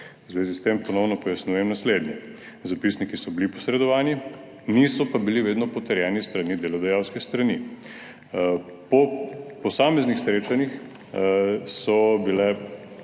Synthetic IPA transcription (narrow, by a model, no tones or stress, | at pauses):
uzʋeːzist̪empɔnɔwnɔpɔjasnuːjɛmnasled̪njɛ | zapisnikisɔbilipɔsɾɛd̪ɔʋaːni | nisɔpabiliʋeːd̪nɔpɔt̪ɛɾjɛnist̪ɾanid̪elɔd̪ajawskɛst̪ɾani | pɔpɔsaːmɛznixsɾeːt͡ʃanix | sɔbilɛ